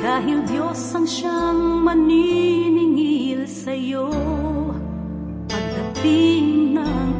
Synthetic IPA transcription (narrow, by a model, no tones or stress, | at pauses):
kaːɦiwd̪joshɐŋʃaŋmɐninɪŋilsɐjo | ʔɐt̪̚hɐt̪inɐŋ